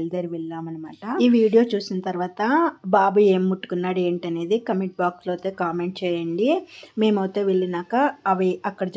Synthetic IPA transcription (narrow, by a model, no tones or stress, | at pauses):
ld̪ɐɾiʋiɭːaːmɐnɐmaːʈɐiːʋiːɽijo̞ːt͡ʃuːsinɐt̪ɐɾʋaːt̪ɐbaːbue̞ːmːuʈːu̥kunːaːɽe̞ːɳʈɐne̞ːd̪ikɐmeɳʈ̚baːkslɐwt̪e̞ːkaːme̞ɳʈ̚t͡ʃɛːjɐɳɖime̞ːmɐwt̪e̞ːʋiɭːinaːkɐɐʋiɐkːɐɽɐd͡ʒ